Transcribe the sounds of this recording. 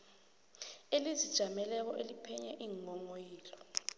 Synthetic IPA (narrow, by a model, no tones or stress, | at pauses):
elizid̥ʒ̥ʱamɛlɛk̬ɔʔelipʰɛɲɛʔiːŋŋɔŋojiːlɔ